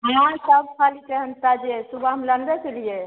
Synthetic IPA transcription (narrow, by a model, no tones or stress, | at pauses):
ɦãsəb̚kʰalikeɦənt̪ad͡ʒesubaɦəmləɳɖət͡ʃelije